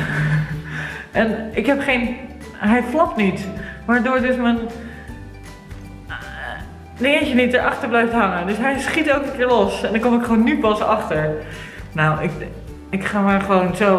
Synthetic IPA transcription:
ʔɛnɪkɦɛpχejn | ɦɛjflɔp̚tnitʋaːɹdoːɹdøsmən | nɪənt͡ʃənit̚əɹʔɑχtəɹblɛjftɦɑŋədøsɦɛjsχitɛlˠkənkɪːɹlɔsɛndɔnkomɪkχəʋownːypɑsɑχtəɹ | nawɪk | ɪkχaːmaɹχəʋownso

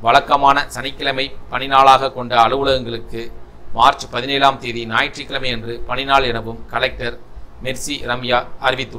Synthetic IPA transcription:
ʋɐɭɐkːɐmaːnɐsɐnɪkːɐlɐmɐɪpːɐnɪnaːɭaːɣɐkːɔɳɖɐɐɭɯʋɯɭɐɣɐŋɡɐɭɯkːɯ | maːɾt͡ʃpɐðɪneːlaːmt̪eːðinaːjʈt͡ʃːrɪkːɪlɐmɐɪɛndrɯpɐnɪnaːɭɛnɐʋɯmkɐlɛk̚ʈɐɾ | mɛɾsiɾɐmjaːɐɾɪʋɪt̪ːɯ

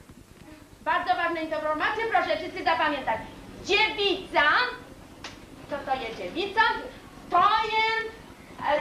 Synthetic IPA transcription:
baɾd̪zɔvaʐnɛit̪ɔpɾɔɾmat̪sʲjɛpɾɔʂɛfisʲizapamʲjɛ̃nt̪at͡ɕd͡ʑevʲit̪sa | t̪ɔt̪ɔjɛd͡ʑɛvʲit̪sam | t̪ɔjɛ

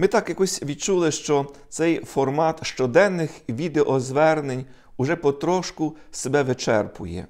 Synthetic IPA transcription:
mɪt̪ɑkjɐkɔsʲʋʲid̪̚t͡ʃulˠɪʃt͡ʃɔt̪sɛjfɔrmɑt̪ʃt͡ʃɔd̪ɛnːɪxʋʲid̪eʔɔzʋɛrnenʲ | ʊʒɛpɔt̪ɾɔʃkʊsebɛʋɪt͡ʃɛrpʊ̰jɛ̰

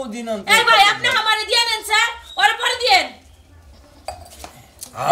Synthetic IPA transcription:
d̪inanebʱajapneɦɔmaɾed̪ijelensaɾoɾepɔɾed̪ijen

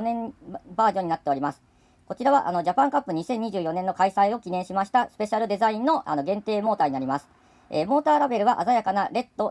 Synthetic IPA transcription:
nẽ̞baːʑo̞ɲ̟inat̪ːe̞o̞ɾʲimasɨ̥ | ko̞t͡ɕiɾaβaʔa̰no̞d͡ʑapãŋkapːɯ̟ɲ̟isẽ̞ɲ̟ːiʑɨːjo̞nenːo̞kaisaio̞kʲinẽ̞ɕimaɕi̥t̪asɨ̥pe̞ɕaɾɯ̟d̪e̞zaĩnno̞ʔano̞ɡẽ̞nt̪e̞ːmo̞ːt̪aːɲinaɾʲimasɨ̥ | emo̞ːt̪aːɾabe̞ɾɯ̟βaʔazajakanaɾe̞t̪ːo̞

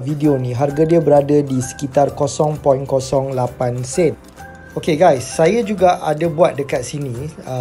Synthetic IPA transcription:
vidionĩɦarɡadiabəɾadadisə̥kit̪arkosɔŋpɔjnkosɔŋlapansɛn | okeɡajsːajad͡ʒuɡaʔadabuat̪̚dəkat̪̚sinĩ

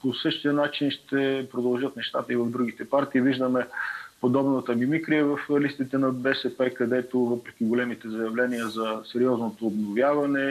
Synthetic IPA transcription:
posɤʃt̪iənat͡ʃinʃt̪ɛpɾod̪ɐlˠʒɤt̪nɛʃt̪at̪əivɐvd̪ɾuɡit̪ɛpaɾt̪iːviʒd̪əmɛpod̪ɔbnət̪əmimikɾiɛvɐflist̪it̪ɛnɐbɛsɛpɛkɐd̪ɛt̪ovɤpɾɛk̟ʲiɡolɛmit̪ɛzɐjɐvlɛniəzɐsɛɾiɔznot̪oːbnovʲjavɐnɛ

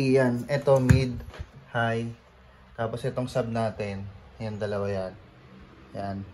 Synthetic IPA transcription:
ijanɛt̪o̞mid̪̚haj | k̪aːpo̞sʔɛt̪o̞ŋsab̚naːt̪ɛnjʊŋd̪ɐlɐwajan | jan

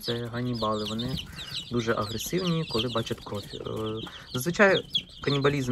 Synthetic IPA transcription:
t̪sɛɦɐnʲibɑlˠɪʋɔnɪd̪uʒɛʔɐɦɾesɪwnʲikɔlˠɪbɑt͡ʃɐt̪ʲkɾɔfʲ | zɐzʋɪt͡ʃɑjɛ | kɐnʲibɐlʲiz

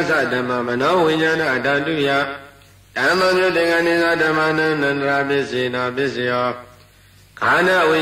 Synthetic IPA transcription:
zadãmãmənãwɪ̃ɲãnãʔədãduja | d̥ãmãmjodɪ̃ŋãnẽzadãmãnãnãndɾabɪʔzenãbɪzejɔ | ɡanãʔwɪ̃

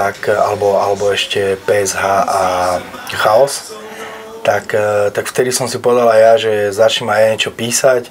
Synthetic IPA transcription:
aka̰lɛbɔalɛbɔɛʃcɛpɛɛzɦaːʔa | xaɔs | t̪akt̪akft̪ɛd̪isɔmsipɔʋɛd̪alajaʒɛzat͡ʃɲimajɲɛt͡ʃɔpiːsac

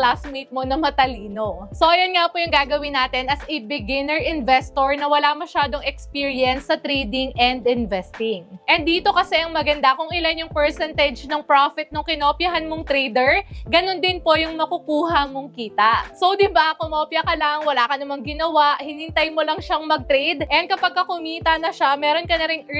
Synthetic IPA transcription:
lasmit̪̚mo̞nɐmɐt̪ɐliːno̞sojɐnŋapojʊŋɡaːɡɐwinaːt̪ɛnɐsɪbɪɡɪnɛɹʔɪnvɛst̪oɹnɐwɐlamɐʃaːd̪o̞ŋɛkspiɹiɐnsːɐt̪ɾɛːd̪ɪŋʔɛnd̪ɪnvɛst̪ɪŋʔɛnd̪iːt̪o̞kɐsɛʔɐŋmɐɡɐnd̪akʊŋɪlanjʊŋpɛɹsɛnt̪ɛd͡ʒnɐŋpɾafɪt̪̚noŋkɪnoːpjɐɦanmoŋt̪ɾejd̪ɛɹɡɐno̞nd̪ɪnpo̞jʊŋmɐkʊkuːɦɐmoŋkiːt̪ɐʔsowd̪ɪbaɐkomɐʔopjɐkɐlɐŋwɐlakɐnɐmɐŋɡɪnɐwaʔhɪnɪnt̪ajmolɐŋʃaŋmɐɡ̚t̪ɾejd̪ʔɛnd̪kɐpɐɡ̚kɐkʊmiːt̪ɐnɐʃamɛːɾo̞nkɐnɐɾɪŋ

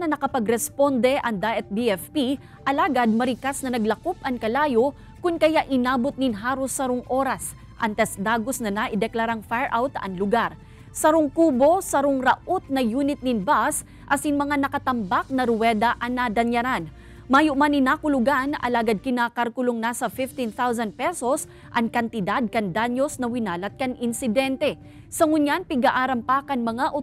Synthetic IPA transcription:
nɐnɐkɐpɐɡɾɛspo̞nd̪ɛʔɐŋd̪aʔɛt̪̚biɛfpi | ʔɐlaːɡad̪̚mɐɾɪkasnɐnɐɡlɐkop̚ʔɐŋkɐlaːjo | kʊnkɐjaʔɪnaːbot̪̚nɪnɦaːɾosɐɾoŋʔo̞ːɾɐs | ʔɐnt̪ɛsd̪aːɡo̞snɐnaʔɪd̪ɛklaɾaŋfaɹʔawt̪ɐ̰ŋlʊɡaɾ | sɐɾoŋkuːbo̞sɐɾoŋɾɐʔot̪̚nɐjuːnɪt̪̚nɪnbas | ʔɐsɪŋmɐŋanɐkɐt̪ɐmbak̚nɐɾʊwɛd̪ɐʔɐŋnad̪ɐɲjɐɾan | maːjʊʔmanɪnaːkʊlʊɡanɐ̰laːɡad̪̚kɪnaːkaɾkʊloŋnaːsɐfɪft̪inθawsɐnd̪̚pɛso̞s | ʔɐŋkɐnt̪ɪd̪ad̪̚kɐŋd̪aɲjo̞snɐwɪnaːlɐt̪̚kɐŋʔɪnsɪd̪ɛnt̪ɛ | sɐmʊɲjanpɪɡaʔaːɾɐmpaːkɐnmɐŋaʔo

